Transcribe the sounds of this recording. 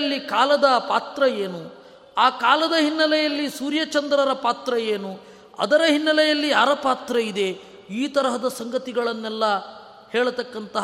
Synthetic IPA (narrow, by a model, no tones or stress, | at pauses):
lːikaːlɐd̪ɐpaːt̪ɾɐjeːnu | aːkaːlɐd̪ɐɦinːɐlɛjɐlːisuːɾjɐt͡ʃɐnd̪ɾɐɾɐpaːt̪ɾɐjeːnu | ɐ̰d̪ɐɾɐɦinːɐlɛjɐlːiaːɾɐpaːt̪ɾɐid̪e̞ | iːt̪ɐɾɐɦɐd̪ɐsɐŋɡɐt̪iɡɐɭɐnːɛlːɐ | heːɭɐt̪ɐkːɐnt̪ɐɦ